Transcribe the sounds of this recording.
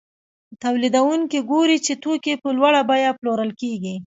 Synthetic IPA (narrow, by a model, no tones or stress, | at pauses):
t̪awlid̪awuŋkiɡoɾit͡ʃet̪okepəlwaɽabajaploɾəlkeɡi